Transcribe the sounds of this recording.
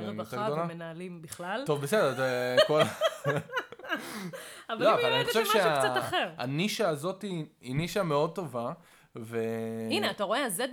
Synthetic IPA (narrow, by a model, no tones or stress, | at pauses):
moteɡd̪olamenaalimbiχlalto̞vbesedetkola | avaloavalaniχoʃevʃeaaaχeʁa̰niʃaːzo̞tiiniʃame̞o̞d̪̚t̪o̞va | veineataʁo̞eaze